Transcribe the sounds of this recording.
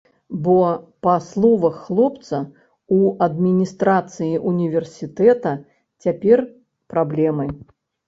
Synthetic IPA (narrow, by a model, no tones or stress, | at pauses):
bɔpɐslˠɔvɐxːlˠɔpt̪sɐ | uɐd̪mʲinʲist̪ɾat̪sɨjiʔunʲivʲɛrsʲit̪ɛt̪ɐ | t͡sʲapʲɛr | pɾablʲɛmɨ